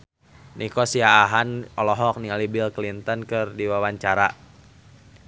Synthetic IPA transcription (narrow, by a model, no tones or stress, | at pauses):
nʔikɔsiaːɦanʔɔlɔɦɔk̚niŋalibilklint̪ɔnkɨrdiwawaɲt͡ʃaɾa̰